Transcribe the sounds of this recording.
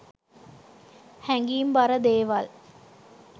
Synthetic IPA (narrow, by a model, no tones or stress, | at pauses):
hæŋɡiːmbaɾəd̪eːʋal